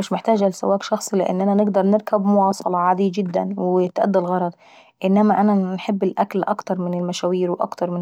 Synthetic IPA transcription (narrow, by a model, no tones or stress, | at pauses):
mɪʃmɪħt̪æːd͡ʒalɪsa̰wæːkʃɑxsˤlɪʔɪ̰nːʔanænɪɡd̪ɑɾˤnɪɾkabmʊwɑːsˤɑlɑʕad̪iːd͡ʒɪd̪ːæ̰nwɪt̪ʔæ̰d̪ːalɣɑɾˤɑd̪ˤ | ʔɪnːæmæʔanænħɪbːɪlʔæklʔɑkt̪ɑɾˤmɪnɪlmæʃæːwiːɾwʔɑ̰kt̪ɑɾˤmɪ